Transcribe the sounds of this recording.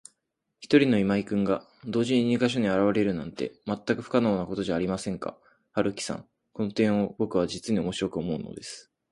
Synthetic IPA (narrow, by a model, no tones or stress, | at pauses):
çi̥t̪o̞ɾʲino̞imaikɯ̟̃ŋɡa | d̪o̞ːʑiɲ̟iɲ̟ikaɕ̬o̞ɲ̟iaɾaβ̞aɾe̞ɾɯ̟nã̰nt̪e̞̰mat̪ːakɯ̟ɸɯ̟̥kanoːnako̞t̪o̞ʑaːɾʲimasẽ̞ŋka̰ | haɾɯ̟kʲi̥sã̰ŋ | ko̞no̞t̪ẽ̞ɰ̃o̞bo̞kɯ̟βad͡ʑit͡sɨɲ̟io̞mo̞ɕiɾo̞kɯ̟omo̞ɯ̟̰no̞̰d̪e̞sɨ̥